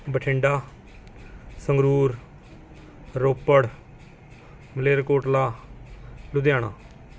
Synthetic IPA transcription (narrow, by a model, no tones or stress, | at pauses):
bəʈʰɪ̃ɳɖaː | səŋɡɾuːɾ | ɾoːpəɽ | məleːɾkoːʈlaː | lʊd̪jaːɽa̰ː